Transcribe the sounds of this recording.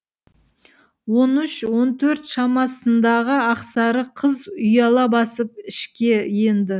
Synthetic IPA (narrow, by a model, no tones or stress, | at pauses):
wo̞nʏʃwo̞nt̪ʰɵɾt̪ʃɑmɑsənd̪ɑʁəɑqsɑɾəqʰəzʊjɑlˠɑbɑsəp̚ɪʃkʲe̞jend̪ɪ